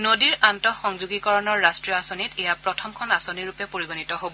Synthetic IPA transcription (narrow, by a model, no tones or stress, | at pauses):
nodiɹantɔxɔŋzuɡikɔɹɔnɔɹːastɹijɔasonitejapɹɔtʰɔmkʰɔnasoniɹupɛpoɹiɡonitɔɦobɔ